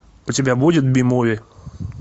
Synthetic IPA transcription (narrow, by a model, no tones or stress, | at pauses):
ʊtʲɪbʲabudʲɪt̪bʲɪmovʲɪ